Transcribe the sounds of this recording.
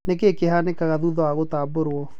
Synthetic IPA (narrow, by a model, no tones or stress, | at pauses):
nekekehanekaɣaðuðɔwaɣotaːboɾwɔ